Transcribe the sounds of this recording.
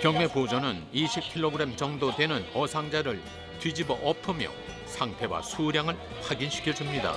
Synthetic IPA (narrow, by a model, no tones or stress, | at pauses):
kjʌŋme̞pod͡ʑʌnɯniɕʰip̚kʰiɭːoɡɯɾe̞mt͡ɕʌŋdotwe̞nɯnʌsʰaŋd͡ʑaɾɯɭ | tɥid͡ʑibʌʔʌpʰɯmjʌ̰ | sʰaŋpʰe̞wa̰sʰuɾjaŋɯɭ | haɡinɕʰi̥kʰjʌd͡ʑumɲida̰